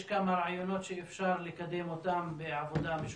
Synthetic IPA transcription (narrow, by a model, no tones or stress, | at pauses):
ʃkamaɾɑʕjonoːt̪ʃeʔɪfʃɑːɾˤlɪkad̪emot̪aːmbɪʕavod̪amɪʃ